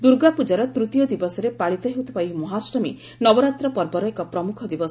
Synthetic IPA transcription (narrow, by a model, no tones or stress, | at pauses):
d̪uɾɡapud͡ʒaɾɔt̪ɾut̪ijɔd̪ibɔsɔɾepaɭit̪ɔɦewt̪ʰɔ̥paimɔɦasɾɔmḭ | nɔbɔɾat̪ɾɔpɔɾbɔɾɔekɔpɾɔmukʰɔd̪ibɔs